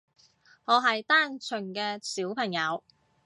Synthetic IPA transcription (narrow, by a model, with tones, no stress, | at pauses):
ŋɔː˨˧ɦɐ˨jt̪aː˥˩nt͡ʃʰɵ˨˩ŋkɛː˧siː˨˥wpʰɐ˨˩ŋjɐ˨˧w